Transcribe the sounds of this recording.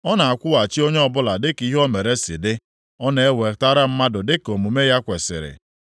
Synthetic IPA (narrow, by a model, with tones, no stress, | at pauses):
ɔ˦na˨a˨kʷʊ˦wa˨t͡ʃi˦o˦ɲe˦ɔ˦bʊ˦la˨dɪ˦ki˦ɦɔ˦me˨ɾe˦sɪ̰˨dɪ˦ | ɔ˦ne˨e˦we˨ta˦ɾa˦m̩˦ma˦dʊ˨dɪ˦ko˨mu˨me˦ja˦kʷe˨sɪ̰˨ɾɪ̰˨